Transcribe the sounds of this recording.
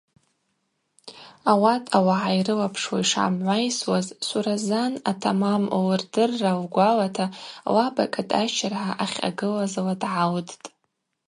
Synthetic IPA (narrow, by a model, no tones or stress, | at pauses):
awatʼawaʕajrɨlapʰʂwaiʂa̰mʕʷajswazsʷuɾazanatʰamamawrdɨrːawɡʷalatʰawabakʼatʼat͡ʃʰarʕaʔaχʲa̰ɡɨlazaladʕawdtʼ